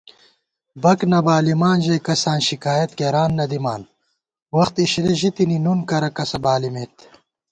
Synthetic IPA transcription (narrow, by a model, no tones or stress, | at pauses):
bɐknɐbaːlimaːnʑɐjkɐsaːnɕikaːjɐt̪ɡeɾaːnːɐd̪ima̰ːn | wɐxt̪iɕliʑit̪ininunkɐɾɐkɐsɐbaːlimet̪